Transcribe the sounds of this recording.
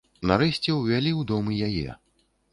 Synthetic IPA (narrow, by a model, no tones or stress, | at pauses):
naɾɛsʲt͡sʲɛwvʲalʲiwd̪ɔmɨjajɛ̰